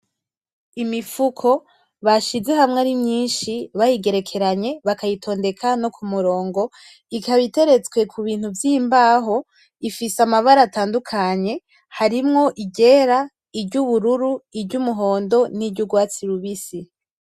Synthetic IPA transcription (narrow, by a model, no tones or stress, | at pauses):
imifukʰo̞ | βaʃizeɦamŋaɾimɲiːnʃiβajiɡe̞ɾe̞kʰe̞ɾaɲe̞βakajitʰo̞ːnde̞kʰano̞kʰumuɾo̞ːŋɡo̞ | ikaβite̞ɾe̞t͡swe̞kʰuβiːn̥huvjiːmbaːɦo̞ | ifisamaβaɾataːndukʰaɲe̞ | haɾimŋo̞ʔiɟe̞ɾa | ibɟuβuɾuɾuibɟumuɦo̞ːndo̞nibɟuɡwaːt͡siɾuβisi